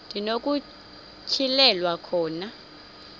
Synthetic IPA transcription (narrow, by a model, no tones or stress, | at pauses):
nd̥ʱinok̬ʼu | t͡ʃʰilɛlwakʰɔːna